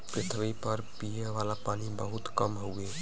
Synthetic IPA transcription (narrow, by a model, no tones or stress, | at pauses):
pɾɪt̪ʰəʋipəɾpiːjəʋaːlapaːnibəɦʊt̪kɐmɦoueː